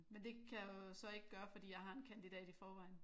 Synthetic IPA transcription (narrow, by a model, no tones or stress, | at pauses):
mend̥e̝kʰæjosɒ̽e̝ɡ̥ɡ̥ɶːɐfɒ̽d̥ḭːjɑ̈ɪɦɑ̈e̝nkʰænd̥id̥ɛ̰ːd̥ifɒːʋɑ̈ɪ̰n